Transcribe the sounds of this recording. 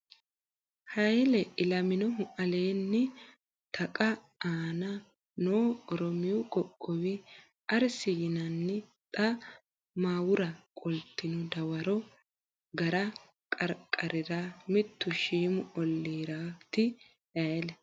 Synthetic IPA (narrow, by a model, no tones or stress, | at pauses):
hɐjlɛɪlɐmɪnɔʊɐle̞ːnːɪ | t̪ʰɐkʼɐ | aːnɐ | noːɔɾɔmɪjɔkʼɔkʼːɔwɪ | ʔɐɾsɪjɪnɐnːɪt̪ʼɐ | maːwʊɾɐkʼɔlt̪ːɪnɔd̪ɐwɐɾɔ | ɡɐɾɐ | kʼɐɾkʼːɐɾɪɾamɪt̪ːʊʃiːmʊɔlːiːɾaːt̪ɪ | jɐjlɛ